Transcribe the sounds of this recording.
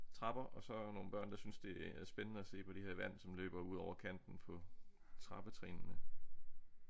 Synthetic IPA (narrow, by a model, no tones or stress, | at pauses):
t͡sʰʁɑ̈b̥ɐʔɒ̽sɒ̽no̝ːn̩b̥ɶɐ̰nd̥ɑ̈synsd̥e̝ææɐsb̥enənəæse̝̰ːpʰɒ̽d̥ihe̝ɐ̰ʋæn̰sɒ̽mlø̰ːb̥ɐuð̞ˠɒʊɐkʰæn̰d̥n̩pʰɒ̽ | t͡sʰʁɑ̈b̥ət͡sʰʁɛ̰ːnnə